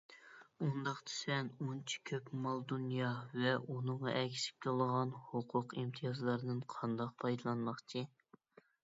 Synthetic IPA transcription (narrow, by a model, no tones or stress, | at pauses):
und̪ɑχt̪ʰɪ̥sɛnunt͡ʃʰi̥kʲʰøpmɑlˠd̪unjɑvɛʔunɨɴʁɑ̰ʔɛkʲi̥sɪ̥p̚kʰʲelˠʁɑnhʊqʰʊqimt̪ʰijɑzlˠɑɾnɨnqʰɑnd̪ɑq̚pʰɑjd̪ɨlˠɑnmɑqt͡ʃʰi